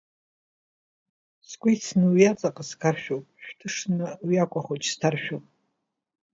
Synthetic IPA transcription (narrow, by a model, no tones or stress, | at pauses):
skʷijt͡sʰnɨwjat͡sʼaqʼaskʰarʃᶣowpʼʃᶣtʰɨʂnɨwakʷʼaχot͡ʃʰʼstʰarʃᶣowpʼ